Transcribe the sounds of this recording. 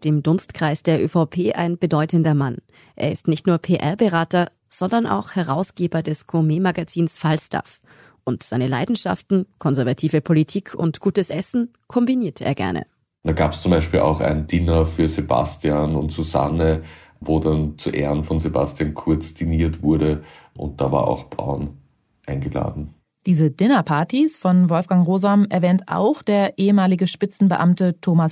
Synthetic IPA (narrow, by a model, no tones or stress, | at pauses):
d̥eːmdʊnstkʁ̥aɪsd̥eːɐʔøːfaʊpʰeːʔa̰ɪnb̥ədɔʏtəndɐman | ʔḛːɐɪstnɪçtnuːɐpʰeːʔɛɐbəʁaːtɐ | z̥ɔndɐna̰ʊxhɛʁaʊsɡ̥eːbɐdɛskʰomeːmaɡat͡siːnsfalstʰa̰f | ʔʊntz̥aɪnəlaɪdn̩ʃa̰ftn̩kʰɔnzɛɐvatʰiːvəpʰolitʰiːkʰʊ̰ntɡ̥uːtəsʔɛsn̩ | kʰɔmbiniːɐtʰʔḛːɐɡɛ̰ɐnʔə̰ | d̥aːɡaːpə̥st͡sʊmbaɪʃpiːlʔa̰ʊxa̰ɪnəndiːnɐfyːɐzeba̰stiaːnʊntz̥uza̰nə | voːdant͡suʔɛ̰ːʁənfɔnzeba̰stiankʰʊɐt͡sd̥iniːɐtv̥ʊɐɾəʔʊ̰̃nt̚d̥aːva̰ɐʔa̰ʊxb̥a̰ʊn | ʔaɪnɡəla̰ːdn̩ | d̥iːzədɪnɐpʰaɐtisfɔnvɔlfɡ̥aŋʁoːzamɛɐvɛːntʔa̰ʊxd̥eːɐʔeːəmaːlɪɡəʃpɪt͡sn̩bəʔamtətʰoːmas